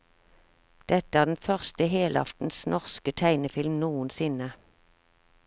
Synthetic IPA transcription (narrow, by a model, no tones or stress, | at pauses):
d̪̥ɛt̪əæːʁd̪ɛn̩fœʁst̪əɦeːlɑ̰ft̪n̩snʔɔʁskət̪ʰæɪnəfɪlmnuːənsɪnə